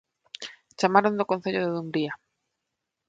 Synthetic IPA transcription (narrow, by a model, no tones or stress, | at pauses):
t͡ʃamaɾond̪okõnθeʎoðɪðumbɾia